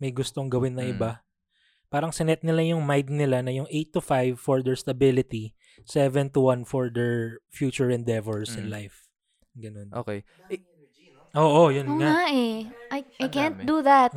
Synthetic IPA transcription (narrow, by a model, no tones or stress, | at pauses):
mɐjɡʊst̪o̞ŋɡɐwɪnːɐʔɪba | paːɾɐŋsɪnɛt̪̚nɪlajʊŋmajd̪̚nɪlanɐjʊŋʔejt̪ːʊfajvfɔɹd̪ɛɹst̪ɐbɪlɪt̪i | sɛvɛnt̪ʊwɐnfɔɹd̪ɛɹfjuːt͡ʃʊɹɛ̃nd̪ɛvɛɹsɪ̃nlajf | ɡɐno̞nʔo̰kej | ʔoːʔojonoaŋaʔɛʔajʔajkɛ̃nt̪̚d̪uðat̪̚